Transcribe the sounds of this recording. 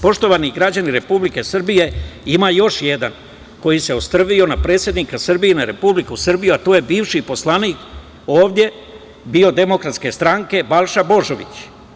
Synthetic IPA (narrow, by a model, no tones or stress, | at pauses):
po̞ʃt̪o̞ʋaniɡɾad͡ʑaniɾe̞publike̞sr̩bije̞imaːjo̞ʃjed̪an | ko̞jise̞ost̪r̩ʋio̞napɾe̞ːt̪sje̞d̪nikasr̩bijenaɾe̞publikusɨrbijuat̪oːje̞biːʋʃipo̞slˠaniːk | oːʋd̪je̞ | bio̞d̪e̞mo̞kɾat̪ske̞st̪ɾaŋke̞balˠʃabo̞ʒo̞ʋḭt͡ɕ